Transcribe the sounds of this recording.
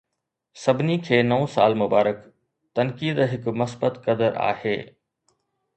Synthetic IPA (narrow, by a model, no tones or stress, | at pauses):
sɐbʱɪnikʰeːnɐõsaːlmʊbaːɾək | t̪ɐnkiːd̪ɦɪkmɐsbət̪kɐd̪əɾʔa̰ːheː